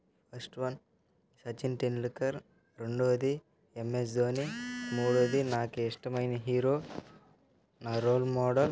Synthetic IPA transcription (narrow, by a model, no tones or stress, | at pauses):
pʰɐɾsʈʋɐn | sɐt͡ʃinʈinlikːɐɾ | ɾeɳɖoːd̪i | emːes̬d̪oːnimuːɽoːd̪inaːkeiʂʈɐmɐjnɐɦiːɾoː | naːɾoːlmɔːɽɐl